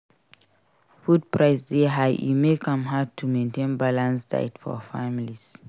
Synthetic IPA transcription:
fud̚pɹaɪsdeɦaḭmekʰʌ̃mɦad̚tʰːumẽntẽnbalãnsda̰ɪtfɔ̰familis

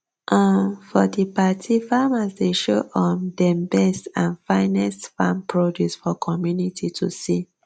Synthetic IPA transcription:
ʔãfɔdipatʰifamasdeʃoʔɔmdɛmbɛstãnfãɪnɛstfãmpɹodjusfɔkʰɔmjunitʰitʰusi

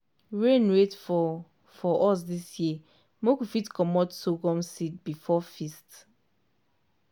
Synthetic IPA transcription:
ɹẽnwetfɔ | fɔʔɔs̬disji | mokufitkɔmɔtsoɡɔ̃msit̚bifɔfist

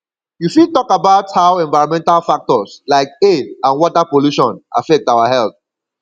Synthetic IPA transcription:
jufitɔkabaʊthaʊɛ̃ɱvaɪɔ̃mɛ̃ntalfak̚tɔslaɪkeãnwɔtapoluʃɔ̃nʔa̰fɛk̚taʊahɛlθ

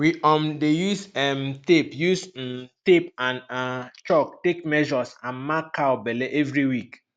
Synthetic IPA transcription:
wiʔɔ̃mdejusɛmtepjus̩tepãnat͡ʃɔk̚tekmɛʒɔsãnmakːawbɛleʔevɾiwik

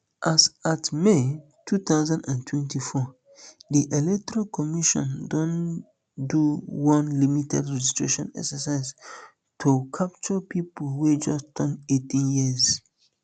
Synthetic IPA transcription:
ʔasatme | tʰut̪aʊzãndãntʰwɛ̃ntifɔ | diʔelɛk̚tɔɹalkʰɔmiʃɔ̰̃ndɔ̃n | duwɔ̃nlimitʰɛdɹɛd͡ʒistɹḛʃɔ̃nɛ̰ksəsaɪz | tʰukʰap̚t͡ʃɔpipolwed͡ʒɔstɔ̃netĩnjiz

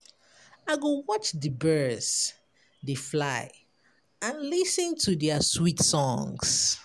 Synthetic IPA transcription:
aɪɡowɔt͡ʃdəbɜs | deflaɪ | ãnlisə̃ntʰudɛəswitsɔ̃ŋs

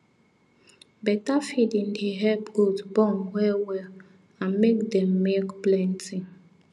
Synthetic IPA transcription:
bɛtafidĩniɦɛpɡudbɔmwɛwɛl | ãnmekdɛmːekplɛ̃nti

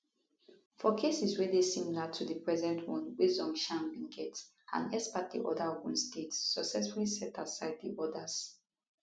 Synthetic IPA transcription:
fɔkʰesiswɛdesimilatʰudəpɹɛzɛ̃ntʰwɔ̃nwizɔ̃ŋʃãnbĩŋɡɛt | ʔã̰nɛspat̚dḭʔɔ̰dahõnstʰetsːɔksɛsfulisɛtʰasaɪd̚dḭʔɔdaz̥

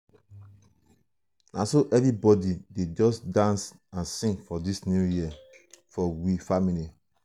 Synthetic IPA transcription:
nʔasoʔɛnibɔdided͡ʒɔsdãns | ãnsĩŋɡfɔdisnjujia | fɔwifamili

